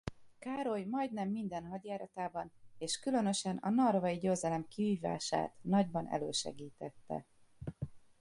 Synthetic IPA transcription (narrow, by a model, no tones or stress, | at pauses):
kaːɾo̞jmɒjd̪nɛmːind̪ɛnɦɒɟjaːɾɒt̪aːbɒneːʃkylø̞nø̞ʃɛnɒ̰nɒrvɒiɟøːzɛlɛmkiviːva̰ːʃa̰ːt̪nɒɟbɒnɛ̰løːʃɛ̰ɡiːt̪ɛt̪ːɛ̰